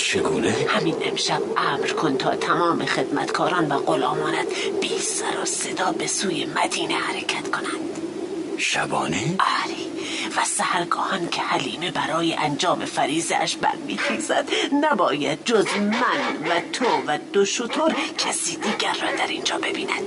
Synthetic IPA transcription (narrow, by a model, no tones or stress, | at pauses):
t͡ʃʰeɡuːnehæminʔemʃæbʔæːmɾkʰont̪ʰɒ̰ːt̪ʰæmɒːmexed̪mæ̰t̪kʰɒːɾɒːnvæɣolɒ̰ːmɒːnæd̪biːsæɾɒ̰ːsed̪ɒːbe̞suːjemæd̪iːnehæɾekʰæt̪kʰonænd̪̥ | ʃæbɒːniæɾiː | væsæhæɾɡɒːhɒncʰehæliːmebæɾɒːjeʔænd͡ʒɒːmefæɾiːzḛʔæ̰ʃbæ̰ɾmḭːxiːzæd̪̥næbɒːjæd̪̚d͡ʒozmænvæt̪ʰovæd̪̥oʃot̪ʰoɾkʰæsiːd̪iːɡæɾːɒːd̪æɾind͡ʒɒːbe̞biːnæd̪̥